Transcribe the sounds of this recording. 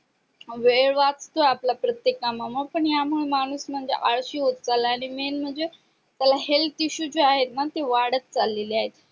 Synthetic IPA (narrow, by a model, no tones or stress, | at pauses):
ʋeɭʋat͡st̪oaplapɾət̪jekamamapəɳjamuɭemañuːsm̤əɳd͡zḛʔaɭɕiːɦot̪t͡salaaɽ̃imenm̤əɳd͡ze | t̪jalaɦelt̪iɕuːd͡ʑiaɦet̪nat̪eʋaɽət̪̚t͡salːeleaɦet̪